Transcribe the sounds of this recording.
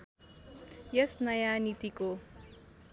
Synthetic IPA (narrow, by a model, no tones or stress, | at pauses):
jʌsnʌjanit̪iko